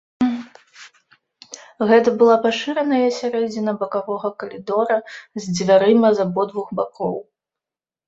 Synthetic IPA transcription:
ɣɛt̪̬ɐbɨlˠapaʂɨɾɐnɐjɐsʲaɾɛd͡zʲinɐbɐkavɔɣɐkɐlʲid̪ɔɾɐzʲd͡zʲvʲaɾɨmɐzabɔd̪vuɣbakɔw

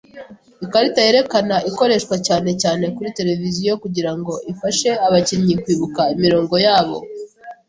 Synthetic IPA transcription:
ikaɾitajeɾe̞kanaiko̞ɾe̞ʃkwacaːne̞caːne̞kuɾite̞ɾe̞vizijo̞kuɟiɾaŋɡo̞ʔifaʃe̞aβaciɲikwiːβukaimiɾo̞ːŋɡo̞jaːβo̞̰

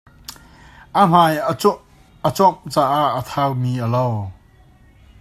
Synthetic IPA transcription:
ʔam̥aj | ʔət͡sɔmt͡saːʔaʔət̪ʰawmiːʔəlow

